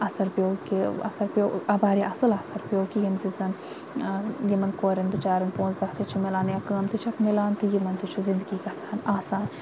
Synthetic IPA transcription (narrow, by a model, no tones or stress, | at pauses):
ɐsɐɾpʲjoːkiɐ̰sɐɾpʲoːɐbaːɾiʔɐsɐlɐsɐɾpʲjoːkijimzizɐn | jimɐnkoːɾɐnbit͡ʃaːɾɐnpõːnzd̪ɐkt̪ʰit͡ʃʰimelaːnjɐkaːmt̪it͡ʃʰɐpmelaːnt̪ijimɐnt̪it͡ʃʰuzind̪ɡiːkʲɐsaːnaːsaːn